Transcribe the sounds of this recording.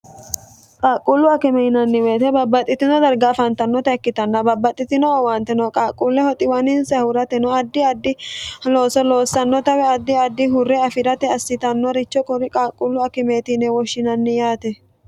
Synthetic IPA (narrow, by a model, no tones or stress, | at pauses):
kʼaːkʼːulːʊɐkɪmɛɪnɐnːɪweːt̪ɛbɐbːɐt̪ʼːɪt̪ːɪnɔd̪ɐɾɡaːfɐnt̪ɐnːɔt̪ɐɛkːɪt̪ɐnːɐbɐbːɐt̪ʼːɪt̪ːɪnɔwɐnt̪ɛnɔkʼaːkʼːulːɛhɔt̪ʼɪwɐnɪnsɐhʊɾɐt̪ɛnɔɐd̪ːɪɐd̪ɪloːsɔloːsːɐnːɔt̪ɐwɛɐd̪ːɪɐd̪ːɪɦʊrːɛɐfɪɾɐt̪ɛɐsːɪt̪ɐnːɔɾɪt͡ʃːɔkʼɔɾɪkʼaːkʼːʊlːʊɐkɪmeːt̪ɪnɛwɔʃːɪnɐnːɪjaːt̪ɛ